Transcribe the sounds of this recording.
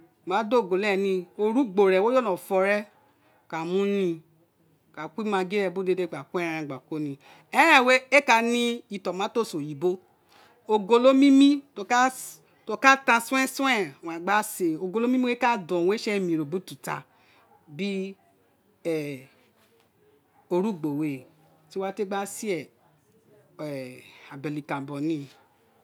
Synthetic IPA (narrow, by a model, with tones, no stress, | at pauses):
mã˨˦do˦˨ɡo˨lɛ˦˨nĩ˧o˧ɾu˦ɡ͡bo˨ɾɛ˨wo˦jo˦nɔ̃˨fɔ˧˦ɾɛ˦˨ | ka˨mũ˦nĩ˧˨ | ka˨kʷi˦mã˧ɡe˦ɾɛ˧˨bu˦de˧de˧˨ɡ͡ba˨ku˦ɛ˦˧ɾ̃ã˧˨ɡ͡ba˨ko˦nĩ˧ | ɛ˦ɾ̃ɛ̃˦˨we˦e˦ka˧nĩ˧i˧˨tɔ˨mã˨˦to˦˨so˨ji˨bo˦ | o˧ɡo˧lo˦mĩ˦mĩ˦to˧ka˦ | to˦ka˦tã˧sũ˦ɛ̃˦sũ˦ɛ˦˨wã˨ɡ͡ba˦se˨o˨ɡo˧lo˦mĩ˦mĩ˦e˦ka˦dɔ̃˨we˦ʃɛ˦mĩ˨ɾo˨bu˨˦tu˨ta̰˧ | bi˦ | ɛ˨ | o˧ɾu˦˨ɡ͡bo˨we˨ | ti˦wa˦te˦ɡ͡ba˦si˦ɛ˦˨ | ɛ˨a˨bɛ˨li˨kã˨bɔ˨nĩ˦